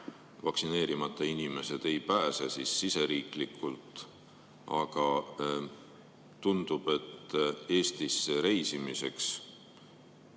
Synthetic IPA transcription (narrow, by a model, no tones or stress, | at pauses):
vɑksine̞ːɾimɑt̪ˑːɑinime̞se̞d̪̥e̞jpæːsesisːise̞ɾiːklikːˑult̪ˑ | ɑɡ̥ɑ | t̪und̪̥ub̥e̞t̪ːe̞ːst̪isːeɾe̞jsimise̞ks